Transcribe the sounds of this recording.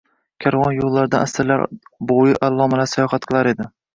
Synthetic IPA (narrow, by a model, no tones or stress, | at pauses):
kʲʰaɾvɒnjolˠːaɾd̪anasɪɾla̰ɾbojɪʔalˠːɒmalasajɒχɑt̪qʰɨlˠaɾe̞d̪ɪ